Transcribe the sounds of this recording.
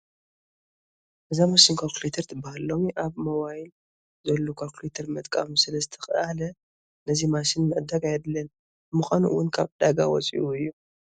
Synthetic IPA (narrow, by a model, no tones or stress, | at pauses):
ʔɨzamosinkʰoklit̪ʰɐɾt̪ʰɨbahalːomiʔaβmɐwajn | zɐlːokʰoklet̪ʰɐɾmɨt̪ʼkʼamsɨlɐst̪ʰɐ̥xʼʔalɐ | nɐzimaʃinmɐʔd̪akʼajɛd̪lːɐn | mɨxanuwʊnkʰaβd̪̥aɡa̰wɔ̰t͡sʼḭʔuɨjːu